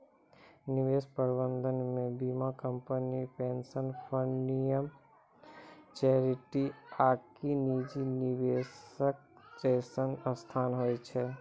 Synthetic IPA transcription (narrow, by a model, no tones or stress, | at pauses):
nɪʋeːspəɾbə̃nd̪ʱənmẽbiːmakə̃mpənipeːnsənpʰənijəm | t͡ʃɛːɾɪʈiaːkinid͡ʒinɪʋeːsək̚t͡ʃeːsənəst̪ʰaːnɦoːjt͡ʃʰɛ